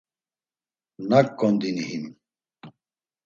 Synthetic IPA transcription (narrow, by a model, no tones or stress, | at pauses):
nakːɔnd̪inihim